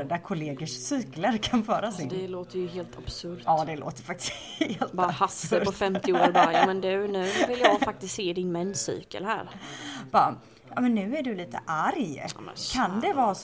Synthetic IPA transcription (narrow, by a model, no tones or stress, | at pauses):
d̪akʰʊleːɡəʂsyːkləɾkʰanfœːɾasd̪ɛloːt̪əɾjɵɦeːlt̪ʰab̥sɵɾtɑːd̪ɛlo̰ːt̪əɾfak̚t̪ɪ̥s | eːlt̪bɑːɾahasːəɾpɔfɛmt̪ɪoːɾbɑɾajɑːmɛnd̪ʉ̟nʉ̟ːvɪljɑːɡffak̚t̪ɪst̪seːɪd̪ɪnmɛnːsy̰ːkə̰lɦæ̰ːɾb̥ɑ | jɑ̰ːmɛnːʉ̟ːæɖɵliːt̪ə̰ʔaɾjɑ̰mɛ̰kʰand̪ɛvɑːs